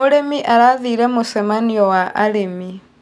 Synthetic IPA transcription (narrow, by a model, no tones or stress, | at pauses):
oɾemiʔaɾaðiːɾɛmosɛmaniɔwaʔaɾemi